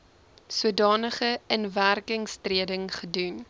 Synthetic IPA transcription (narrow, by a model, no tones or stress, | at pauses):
suədɑːnəχəənværkəŋstriədəŋχədun